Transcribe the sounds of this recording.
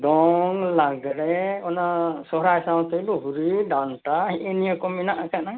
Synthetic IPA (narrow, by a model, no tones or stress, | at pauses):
d̪ɔŋlaɡɾeɔnasɔɦɾajsaw̃t̪eluɦuɾiɖanʈaenijakɔminaʔakana